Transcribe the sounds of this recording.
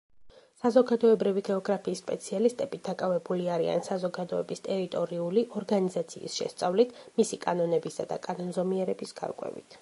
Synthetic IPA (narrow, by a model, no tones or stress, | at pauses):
sazɔɡad̪ɔɛbɾiviɡɛɔɡɾapʰiːsːpʼɛt̪sʰialist̪ʼɛbit̪̚d̪akʼavɛbuliaɾia̰nsazɔɡad̪ɔɛbist̪ʼɛɾit̪ʼɔɾiuliʔɔɾɡanizat̪sʰḭːsʃɛ̰st̪sʼavlit̪ʰmisikʼanɔnɛbisa̰d̪a̰kʼanɔnzɔmiɛɾɛbisɡ̥a̰ɾɡʼwɛ̰vḭt̪ʰ